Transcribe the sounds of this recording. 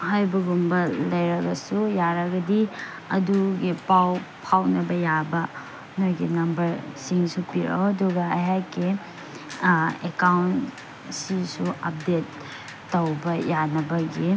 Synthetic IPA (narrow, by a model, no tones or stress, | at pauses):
hajbɐɡumbɐlɐjɾɐɡɐsujaɾɐɡɐdi | ɐ̰duɡipawpʰawnɐbɐjabɐ | nojɡinɐmbɐɾsiŋsupiɾa̰wɐduɡɐɐ̰jɦakːi | ekawn | sisuʔɐp̚detː | owbɐjanɐbɐɡi